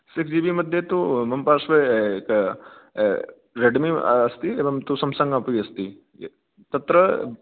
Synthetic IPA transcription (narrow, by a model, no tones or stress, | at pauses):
sɪkʰd͡ʒiʋimɐd̪ʱjet̪umɐmpaːɾʃʋek | ɾeɖmḭɐst̪ieʋɐŋt̪usɐmsɐ̃ŋɡaːpiɐst̪i | t̪ɐt̪ɾə